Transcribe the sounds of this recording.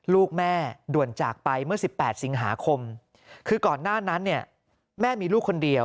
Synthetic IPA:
luː˥˩k̚mɛː˥˩du˨˩ənt͡ɕaː˨˩k̚pa˧jmɯ˥˩ɐsi˨˩pːɛː˨˩t̪̚si˩˦ŋɦaː˩˦kʰo˧m | kʰɯː˧kɔː˨˩nːaː˥˩na˦˥nːi˥˩ɐ | mɛː˥˩miː˧luː˥˩kʰːo˧ndi˧əw

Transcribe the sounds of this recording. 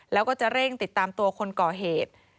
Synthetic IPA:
lɛː˦˥wkɔː˥˩t͡ɕa˨˩ɾe˥˩ŋt̪i˨˩t̪ːaː˧mt̪u˧ɐkʰo˧nkɔː˨˩ɦeː˨˩t̪̚

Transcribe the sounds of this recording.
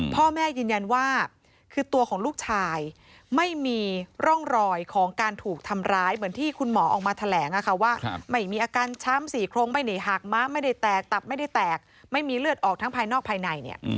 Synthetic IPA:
pʰɔː˥˩mɛː˥˩jɯː˧nja˧nwaː˥˩ | kʰɯː˧t̪u˧əkʰɔː˩˦ŋluː˥˩k̚t͡ɕʰaː˧j | ma˥˩jmiː˧ɾɔ˥˩ŋɾɔː˧jkʰɔː˩˦ŋkaː˧nt̪ʰuː˨˩k̚t̪ʰa˧mɾaː˦˥jmɯ˩˦ənt̪ʰiː˥˩kʰu˧nmɔː˩˦ʔɔ̰ː˨˩k̚maː˧t̪ʰa˧lɛː˩˦ŋʔa˨˩kʰa˦˥˩waː˥˩ma˥˩jmiː˧ʔaː˧kaː˧nt͡ɕʰa˦˥msiː˨˩kʰɾoː˧ŋma˥˩jna˨˦jɦaː˨˩k̚maː˦˥ma˥˩jda˥˩jt̪ɛː˨˩k̚t̪a˨˩p̚ma˥˩jda˥˩jt̪ɛː˨˩k̚ | ma˥˩jmiː˧ɾɯ˥˩ət̪ʔɔː˨˩k̚t̪ʰa˦˥ŋpʰaː˧jnɔː˥˩k̚pʰaː˧jna˧jnḭ˥˩ə

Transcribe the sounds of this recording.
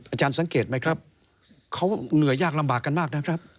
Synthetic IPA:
ʔaː˧t͡ɕaː˧nsa˨˩˦ŋkeː˨˩t̪̚ma˦˥jkʰɾa˦˥p̚ | kʰa˦˥wnɯ˨˩˦jaː˥˩k̚la˧mbaː˨˩kːa˧nmaː˥˩k̚na˦˥kʰɾa˦˥p̚

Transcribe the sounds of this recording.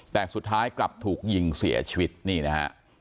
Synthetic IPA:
t̪ɛː˨˩su˨˩t̪ʰːaː˦˥jkla˨˩p̚t̪ʰuː˨˩k̚ji˧ŋsḭ˩˦ɐt͡ɕʰi˧wi˦˥t̪̚niː˥˩na˦˥ha̰˦˥ʔ

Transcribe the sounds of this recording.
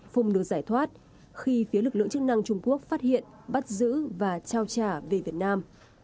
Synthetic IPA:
fʊ˨˩ŋ͡mnɨ˨˩əzaː˧˩jt̪ʰwaː˦˥t̚ | xi˧fi˨˦lɨ˨˩k̚lɨ̰˧ə˨ŋt͡ɕɨ˦˥k̚na˧ŋt͡ɕʊ˧ŋ͡mku˦˥ək̚faː˦˥t̚hḭ˧˨ən | ɓa˦˥t̚zɨ̰˧˥vaː˨˩t͡ɕaː˧wt͡ɕaː˧˩ve˨˩vi˨˩ət̚naː˧m

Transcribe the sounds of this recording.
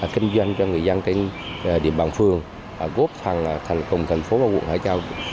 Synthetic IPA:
kï˧ŋ̟zwa˧jŋ̟t͡ɕɔ˧ŋɨ˨˩əjza˧nt̪e˧n˨˩ɗḭ˧˩əmɓaː˨˩nfɨ˧˩əŋː˨˩ | ɣo˦˥p̚faː˨˩ŋ˨˩t̪ʰa˨˩ŋkə˨˩wŋ͡mt̪ʰa˨˩jŋ̟fo˨˦vaː˨˩kw̰ṵ˧˨ŋha̰ː˧˩jt͡ɕaː˧w

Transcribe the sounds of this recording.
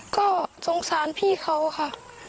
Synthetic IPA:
kɔː˥˩so˨˦ŋsaː˨˦npʰiː˥˩kʰa˧˥˩wkʰa˧˩˨

